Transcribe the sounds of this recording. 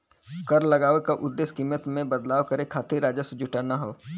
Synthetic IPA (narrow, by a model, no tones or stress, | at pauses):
kɐɾlɐɡaːʋekaʔʊd̪ːeːskiːmət̪mẽbɐd̪laːʋkɐɾekʰaːt̪ʰiɾaːd͡ʒəsʊd͡ʒʊʈanaɦoː